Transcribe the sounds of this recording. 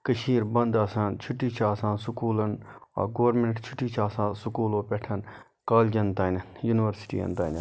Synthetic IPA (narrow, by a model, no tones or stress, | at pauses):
kəʃiːɾbɐnd̪aːsaːnt͡ʃʰʊʈːiːt͡ʃʰaːsãːnsukuːlɐnɐ̰ːɡoːɾmeɳʈt͡ʃʰuʈːiːt͡ʃʰaːsãːsukuːloːpʲeʈʰɐn | kaːlɡʲɐnt̪aːnʲɐjuniʋɐɾsi̥ʈḭːɐ̰nt̪a̰ːnɐ